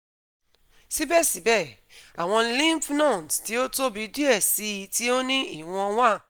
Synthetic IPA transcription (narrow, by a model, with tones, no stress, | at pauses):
si˦bɛ˦˨si˨˦bɛ˦˨ | a˨w̃ɔ̃˧lĩ˦pnã˦˨dti˨˦o˦to˦bi˨˦di˦ɛ˦˨si˨˦i˧˦ti˦o˦nĩ˦ḭ˦˨w̃ɔ̃˧wã˦˨